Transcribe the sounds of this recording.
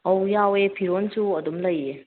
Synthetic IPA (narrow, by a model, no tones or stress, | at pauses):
ɔwjawepʰiɾonsuɐdumlɐje